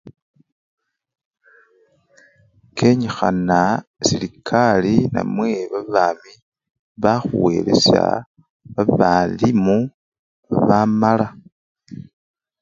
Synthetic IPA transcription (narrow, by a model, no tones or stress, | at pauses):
kʰe̞ɲixanasilikʰalina̰mwe̞βaβaːmi | βaxuwe̞le̞̰sja̰ | βaβalimu | aβamala